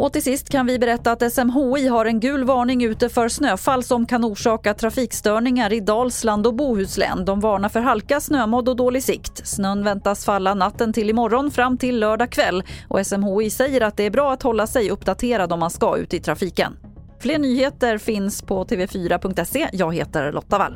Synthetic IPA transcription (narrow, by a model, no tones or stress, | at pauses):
ʔɔt̪ɪlsɪst̪kʰanvɪbɛɾɛt̪ːaːt̪ɛsɛmɦoːiːɦaɾɛnɡʉ̟ːlvɑːɳɪŋʉ̟ːt̪əfœɾsnøːfalːsɔmkʰanuːʂɑːkat̪ʰɾafiːkst̪œːɳɪŋaɾɪd̪ɑːlsland̪ɔbuːhʉ̟ːslɛ̰ːnd̪ɔmvɑːɳafœɾɦalkasnøːmɔd̪ːɔd̪oːlɪɡsɪkt̪snœnvɛnt̪asfalːanat̪ːənt̪ʰɪlɪmɔɾːɔnfɾamːt̪ʰɪlːœːɖakʰvɛlːʔɔ̰ɛsɛmɦoːisɛjːəɾat̪̚d̪ɛæɾbɾɑːat̪hɔlːasɛjɵpd̪at̪ʰeːɾad̪ɔmːanskaʉ̟̰ːt̪əɪt̪ʰɾafiːkə̰n | fleːɳyːheːt̪əɾfɪnspʰɔt̪ʰeːvɛfyːɾapʰɵŋk̚t̪ɛsːejɑːɡhḛːt̪əɾɭʔɔ̰t̪ːava̰l